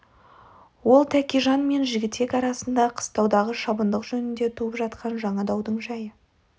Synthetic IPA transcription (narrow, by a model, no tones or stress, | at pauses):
wo̞lˠt̪ʰækʲiʒɑnme̞nʒɪɡʲɪt̪ːe̞kɑɾɑsənd̪ɑqʰə̥st̪ɑwd̪ɑʁəʃɑbənd̪əqʒɵnɪnd̪e̞t̪ʰuəpʒɑt̪qɑnʒɑɴɑd̪ɑwd̪əɴʒɑjə